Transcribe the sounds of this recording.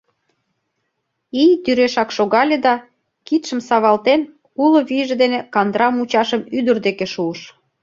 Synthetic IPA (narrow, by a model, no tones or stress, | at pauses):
ijt̪yɾeʃɑkʃoɣɑlʲed̪ɑ | kit̪ʃə̆msɑβɑlt̪en | uloβiʒed̪enekɑnd̪ɾɑmut͡ɕɑʃəmyd̪ə̆rd̪ekeʃuəʃ